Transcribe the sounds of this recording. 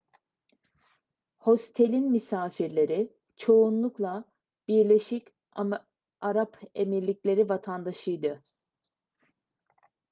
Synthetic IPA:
ho̞st̪ʰe̞lʲinmisaːfiɾlʲe̞ɾi | t͡ʃʰo̞unlˠuklˠa | b̥iɾlʲe̞ʃic | aɾapʰemiɾlʲiclʲe̞ɾivat̪ʰand̪aʃɯjd̪ɯ

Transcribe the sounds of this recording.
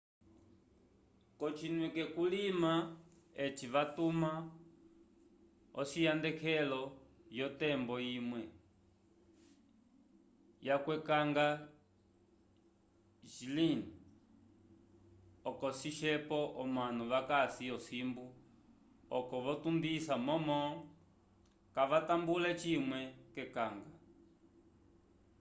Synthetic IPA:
kɔt͡ʃʰinwɛkɛkulima | ɛt͡ʃiʋatuma | ɔʃijandɛkʰɛlɔjɔtɛmbɔimwɛ | jakwɛkaŋɡa | ʒilini | ɔkɔsiʃɛpɔʔɔmanuʋakasiɔsimbu | ɔkɔʋɔtumbisamɔmɔ | kaʋatambulɛt͡ʃimwɛkɛkaŋɡa

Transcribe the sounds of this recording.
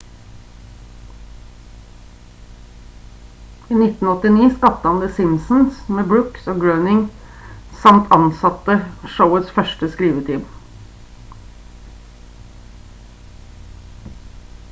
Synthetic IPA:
iːnɪt̪n̩ɔt̪ɪniːskɑt̪əhɑnd̪eːsɪnsn̩smeːbɽʉksoːɡɽœnɪŋ | sɑmt̪ʰɑnsɑt̪əʃəʊəsfœʂʈəskɾiːʋət̪ʰiːm

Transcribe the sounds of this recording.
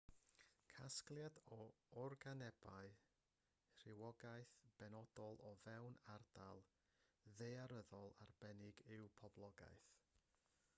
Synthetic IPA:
kʰasklˠjadɔɔrɡanɛb̥aɨ | r̥ɪwɔɡaɨθb̥ɛnɔd̥ɔlˠɔvɛwnard̥alˠ | ðejaɾəðɔlˠarbɛnɪɡɪwpʰɔblˠɔɡa̰jθ

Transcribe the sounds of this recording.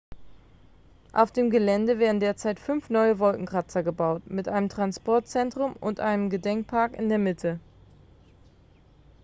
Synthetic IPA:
ʔa̰ʊfd̥eːmɡəlɛndəveːɐdn̩deːɐt͡saɪtfʏnfnɔʏəvɔlkŋ̩kʁ̥at͡sɐɡəbaʊtmɪtʔaɪnəmtʁ̥anspɔɐt̚t͡sɛntʁ̥ʊmʊ̰ntʔa̰ɪnəmɡədɛŋk̚pʰaɐkɪ̰ndeːɐmɪtʰə

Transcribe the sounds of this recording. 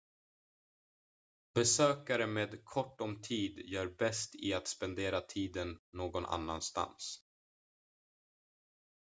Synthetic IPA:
bɛsøːkaɾəmeːd̪kʰɔʈːɔmt̪ʰiːd̪jœːɾbɛst̪ɪat̪spɛnd̪eːɾat̪ʰiːd̪ənːoːɡɔnʔa̰nːa̰nst̪a̰ns

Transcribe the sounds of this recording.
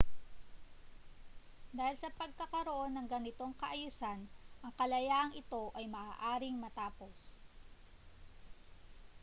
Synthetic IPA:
d̪aːhɪlsɐpɐɡ̚kɐkɐɾoʔo̞nːɐŋɡɐnɪt̪o̞ŋkɐʔɐjusanʔɐŋkɐlɐjaːʔɐŋʔɪt̪o̞ʔɐjmɐʔaːʔaːɾɪŋmɐt̪aːpo̞s

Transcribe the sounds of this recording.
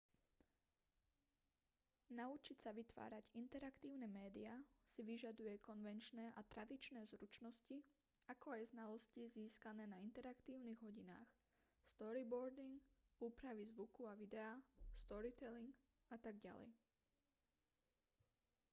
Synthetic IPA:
naut͡ʃicsaʋit̪ʋa̰ːɾaɟint̪ɛɾakt̪iːʊnɛmɛːd̪iasiʋiʒad̪ujɛkɔnʋɛnt͡ʃnɛːʔat̪ɾad̪it͡ʃnɛːzɾut͡ʃnɔsci | akɔajznalɔsciziːskanɛːnaint̪ɛɾakt̪iːʊniɣɦɔɟina̰ːx | st̪ɔɾibɔɾd̪iŋɡuːpɾaʋizʋukuaʋid̪ɛaːst̪ɔɾit̪ɛliŋɡ | at̪aɡɟa̰lɛ̰j

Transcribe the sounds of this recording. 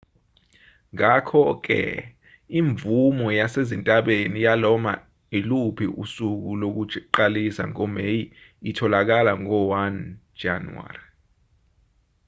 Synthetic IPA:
ŋakʰɔk̬ɛ̰ | iɱbvumɔjasezintʼaɓenijalɔma̰ | ilupʰiʔṵsuk̬ulok̬uǃalisa̰ŋɔmejiitʰɔlak̬alaŋɔwan̥d͡ʒ̥a̰nuwa̰ːri

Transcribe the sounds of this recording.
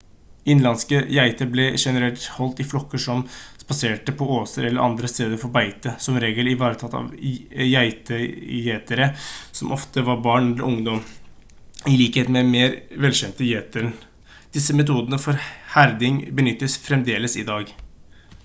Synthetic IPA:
ɪnlɑnskəjæɪt̪əɾblɛʂɛnəɾɛlt̪hɔlt̪ɪflɔkːəʂɔmspɑseːʈəpʰɔoːsəɾɛlːəɾʔɑ̰nd̪ɾəst̪eːd̪əɾfɔɾbæɪt̪əsɔmɾeːɡəlɪʋɑːɾət̪ʰɑt̪ːɑ̰ʋjæɪt̪əjeːt̪əɾəsɔmʔɔft̪əʋɑɾbɑːɳɛlə̰ʔʊŋd̪ɔm | ɪliːkheːt̪mɛmeːɾʋɛlɕɛnt̪əjeːt̪əɾən | d̪̥ɪsːəmɛt̪ʰuːd̪ənəfɔɾhæɾd̪ɪŋbənʏt̪ːəsfɾɛmd̪eːləsɪ̰d̪ɑːɡ

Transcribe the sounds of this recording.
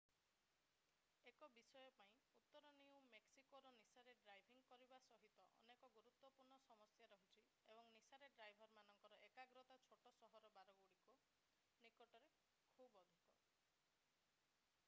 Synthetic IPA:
ekɔbisɔjɔpaĩut̪ːɔɾɔniũmeksikoɾɔnisaɾeɖɾajbʱiŋɡkɔɾibasɔɦit̪ɔʔɔ̰nekɔɡuɾut̪wɔpuɾɳɔsɔmɔsjaɾɔɦut͡ʃʰi | ebɔŋnisaɾeɖɾajbʱɔɾmanɔŋkɔɾɔʔekaɡɾɔt̪at͡ʃʰoʈɔsɔɦɔɾɔbaɾɔɡuɽiko | nikɔʈɔɾe | kʰubɔd̪ʱikɔ

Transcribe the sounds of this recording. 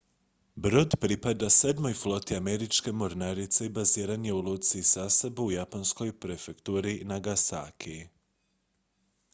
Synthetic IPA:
bɾo̞d̪pɾipad̪ase̞d̪mo̞jflˠo̞t̪iame̞ɾit͡ʃke̞mo̞ɾnaɾit̪seibaziːɾanjeulˠuːt̪siːsasebuujaponsko̞jpɾe̞fekt̪uːɾinaɡasa̰ːkʰi

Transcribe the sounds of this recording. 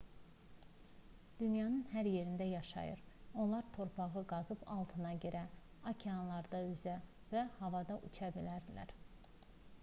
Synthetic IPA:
d̪̥ynjɑnɯnhæɾje̞ɾind̪æjɑʃɑ̰jɯ̰ɾo̞lˠɑɾt̪ʰo̞ɾpʰɑɣɯɡɑzɯpʰɑ̰lˠt̪ʰɯnɑɟø̞ɾæ | ɑcʰeɑnlˠɑɾd̪ɑyzæ | væhɑvɑd̪ɑʔut͡ʃʰɑbilæɾd̪ilæ̰ɾ

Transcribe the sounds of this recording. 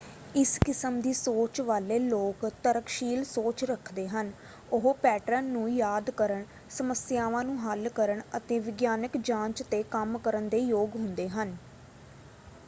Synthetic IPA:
ɪskɪsəmd̪iːsoːt͡ʃʋaːleːloːkt̪əɾəkʃiːlsoːt͡ʃɾəkʰd̪eːɦən | ʊɦoːpɛːʈɾənːũːjaːd̪kəɾəɳ | səməsjaːʋãːnũːɦəlkəɾəɳət̪ẽːʋɪɡjaːnəkd͡ʒãːɲt͡ʃt̪eːkəmkəɾənd̪eːjoːɡɦʊnd̪eːɦən

